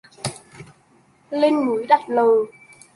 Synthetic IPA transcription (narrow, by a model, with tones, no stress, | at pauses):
le˧nŋu˨˦jɗa˨˩t̚ləː˨˩